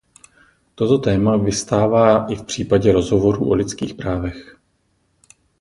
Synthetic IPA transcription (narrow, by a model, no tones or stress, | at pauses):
t̪o̞t̪o̞t̪ɛːmavɪst̪aːvaːʔɪfpr̥iːpaɟɛɾo̞zɦo̞vo̞ɾṵːʔo̞lɪt͡skiːxpɾaːvɛx